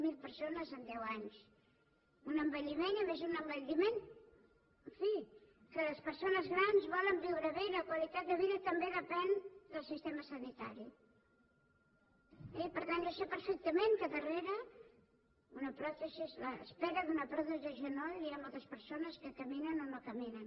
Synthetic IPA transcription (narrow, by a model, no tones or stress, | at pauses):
milˠpəɾsonəzənd̪ɛwaɲs | unəmbəʎimenəmezunəmbəʎimen | əɱfi | kələspəɾsonəzɣɾanzβɔləmbiwɾəβeləkwalit̪at̪̚d̪əβiðət̪əmbeðəpɛnd̪əlˠsist̪eməsənit̪a̰ɾi | ɛpəɾt̪anʒosepəɾfɛk̚t̪əmeŋkəðəreɾə | unəpɾɔt̪əsisləspɛɾəðunəpɾɔðuəʒunɔliamolˠt̪əspəɾsonəskəkəminənonokəminən